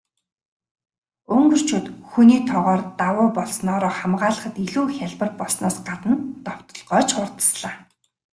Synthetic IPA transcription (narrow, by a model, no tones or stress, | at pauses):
ɵŋɡɵ̆r̥t͡ɕʰuːt̪xuniːt̪ʰɔʁɔːrt̪awʊːpɔɮsnɔːɾɔːχamɢaːɮə̆χə̆t̪iɮuːxʲaɮpə̆rpɔɮsnɔːsɢat̪ə̆nt̪ɔw̥t̪ɞ̆ɮʁœːt͡ɕχʊrt̪ə̥̆sɮaː